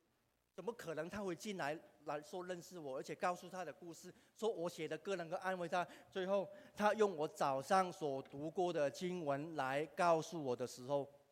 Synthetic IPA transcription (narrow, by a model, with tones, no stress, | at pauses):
t͡sə˨˩nmə˧˦kʰə˨˩nɤ˧˦ŋt̪ʰa˥xwe˥˧ɪt͡ɕi˥˩nla˧˦˥ɪla˨˧˥ɪʂwɔ˥lə˥˧nʂɻ̩˥˩wɔ˨˩ə˞˧˥t͡ɕʰjɛ˨˩kɑ˥˧ʊsu˥˧t̪ʰa˥ɾə˨ku˥˧ʂɹ̩˥˩ | ʂwɔ˥wɔ˨˦ɕjɛ˨˩d̪ə˧˦kɤ˥˧˩nə˧˥nɡə˧ʔa˥˧nwe˥˩ɪt̪ʰa˥t͡swe˥˧ɪxo˥˩ʊt̪ʰa˥jʊ˥˩ŋwɔ˧˥t͡sɑ˨˩ʊʂɑ˥˩ŋswɔ˨˩t̪u˨˧˥kwɔ˥˩d̪ə˨˩t͡ɕi˦ŋwə˧˥nla˧˦ɪkɑ˥˧ʊsu˥˩wɔ˨˩d̪ə˦ʂɻ̩˧˥xo˥˩ʊ